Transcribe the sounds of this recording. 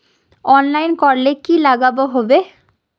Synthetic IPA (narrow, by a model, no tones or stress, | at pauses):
ɔnlajnkɔɾlekilaɡaboɦɔbe